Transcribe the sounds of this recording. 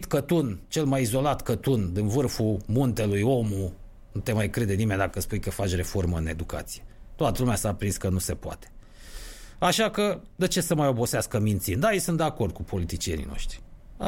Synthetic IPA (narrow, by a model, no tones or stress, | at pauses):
t̪kət̪unt͡ʃe̞lmajizo̞lat̪kət̪und̪invɨrfumunt̪e̞lujo̞mu | nut̪e̞majkɾe̞d̪e̞nime̞nʲd̪akəspujkəfat͡ʃʲre̞fo̞rməɨne̞d̪uka̰t̪si̥jet̪oat̪əlumeasapɾinskənuse̞poa̰t̪e̥ | aʃakəd̪et͡ʃe̞səmajo̞bo̞seaskəmint̪sind̪ajesunt̪d̪eako̞rd̪̚kupʰo̞lit̪it͡ʃie̞nḭno̞̰ʃt̪ɾi̥